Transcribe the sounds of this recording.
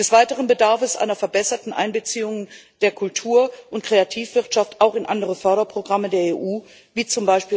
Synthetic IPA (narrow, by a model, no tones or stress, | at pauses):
d̥ɛsv̥aɪtəʁ̞ənbədaɐfəsʔa̰ɪnɐfɛɐbɛsɐtn̩ʔa̰ɪnbət͡siːʊŋənd̥eːɐkʰʊltʰuːɐʔʊntkʁ̥eatʰiːfv̥ɪʁtʃaftaʊxɪnʔa̰ndəʁəfœɐɾɐpʁ̥oɡʁamədeːɐeːʔuː | viːt͡sʊmbaɪʃpiː